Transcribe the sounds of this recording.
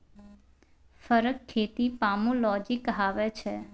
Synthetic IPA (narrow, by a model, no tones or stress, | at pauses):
fəɾəkʰːet̪ipamũlɔd͡ʒikɦaʋet͡ʃʰe